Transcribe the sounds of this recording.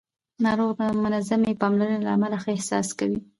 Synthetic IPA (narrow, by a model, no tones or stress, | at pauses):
nɑɾoɣamʊnazamjepɑmlaɾənelaamalaxəɪhsɑ̰skawi